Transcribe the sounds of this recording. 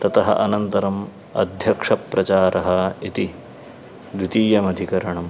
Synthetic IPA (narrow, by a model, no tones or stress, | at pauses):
t̪ɐt̪ɐɦɐ̰ʔɐnɐnt̪ɐɾɐm | ɐ̰d̪ʱjɐkʂɐpɾɐt͡ʃaːɾʔɐɦɐit̪i | d̪wit̪iːjɐmɐd̪ʱikɐɾɐɳɐm